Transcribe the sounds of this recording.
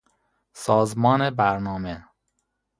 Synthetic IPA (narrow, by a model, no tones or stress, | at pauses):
sɒːzmɒːnebæɾnɒːme